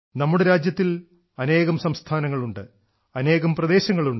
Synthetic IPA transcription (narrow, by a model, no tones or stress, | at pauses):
nɐmːuɽeɾaːd͡ʑjɐt̪ːil | ɐne̞ːɣɐmsɐmst̪ʰaːnɐŋːɐɭuɳɖɨ | ɐne̞ːɣɐmprɐd̪e̞ːɕɐŋːɐɭuɳɖ